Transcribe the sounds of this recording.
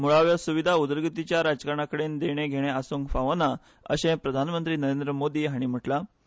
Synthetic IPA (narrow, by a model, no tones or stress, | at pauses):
muɭaʋjasuʋid̪ʱaud̪əɾɡit̪it͡ɕjaɾad͡zkaɾəɳ̃akəɽend̪eɽ̃eɡʱeɽ̃easuŋkfaʋana | ə̰ɕẽpɾəd̪ʱanmənt̪ɾiːnəɾend̪ɾəmod̪iːɦaɽ̃im̤əʈla